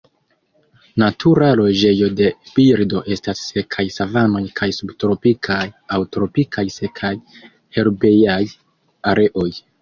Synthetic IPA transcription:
natʰuɾalo̞d͡ʒe̞jo̞de̞b̥iɾdo̞ʔe̞stasːe̞kʰajsavano̞jkʰajsubtɾo̞pikʰajawtɾo̞pikʰajse̞kʰaj | he̞ɾbe̞jaj | aɾe̞ʔo̞j

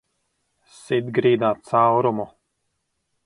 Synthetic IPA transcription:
sid̪ɡɾiːd̪aːt̪sawɾumu

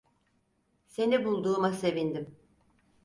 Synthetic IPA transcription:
se̞nibulˠd̪uːmase̞vind̪im

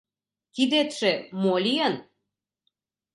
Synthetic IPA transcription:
kid̪et̪ʃemolʲijən

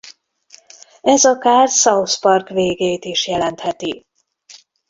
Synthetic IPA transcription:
ɛzɒkaːrsɒuspɒrkveːɡeːt̪iʃjɛlɛnt̪hɛt̪i

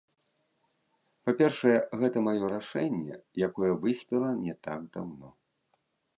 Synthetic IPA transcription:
papʲɛrʂɐjɛɣɛt̪ɐmajɔɾaʂɛnʲːɛ̰jakɔjɛvɨsʲpʲɛlˠɐnʲɛt̪a̰kd̪awnɔ

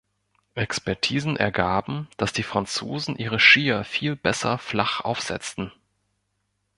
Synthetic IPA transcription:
ʔɛkspɛɐtʰiːzn̩ʔɛ̰ɐɡaːbm̩d̥asd̥iːfʁ̥ant͡soːzn̩ʔiːʁ̞əʃiːɐfiːlbɛsɐflaχʔa̰ʊfz̥ɛ̰t͡stn̩

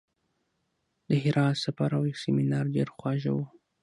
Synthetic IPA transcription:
d̪əɦɪɾɑt̪safaɾawjawseminɑɾɖeɾxwɑʒa̰wu

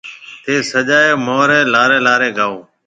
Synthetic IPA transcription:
t̪ʰeːsəʄaːeːmoːɾeːlaːɾeːlaːɾeːɡʱaːoː

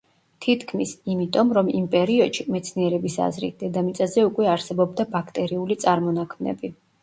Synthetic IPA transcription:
t̪ʰit̪ʰkʰmisimit̪ʼɔmɾɔmimpʼɛɾiɔd̪̥ʃimɛt̪sʰniɛɾɛbisa̰zɾḭt̪̚d̪̥ɛd̪amit̪sʼazɛukʼwɛaɾsɛbɔbd̪abakʰt̪ʼɛɾiulit̪sʼaɾmɔnakʰmnɛ̰bi

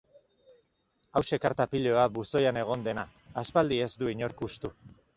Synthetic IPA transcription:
awʃe̞kaɾt̪apiʎo̞abuso̞jane̞ɣ̞o̞nd̪e̞naː | spald̪ie̞zd̪uiɲo̞ɾkust̪u

